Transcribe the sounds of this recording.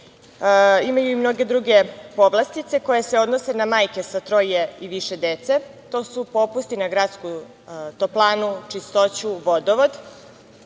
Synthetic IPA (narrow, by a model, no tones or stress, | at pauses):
imajuimno̞ɡe̞d̪ɾuɡe̞po̞ʋlˠast̪it̪se̞ko̞jeseo̞d̪no̞se̞namaːjke̞sat̪ɾo̞jeiʋiʃe̞d̪et̪se̞t̪o̞ːsupo̞pust̪inaɡɾaːt̪sku | t̪oplˠaːnut͡ʂist̪o̞t͡ɕuʋo̞d̪oʋo̞d̪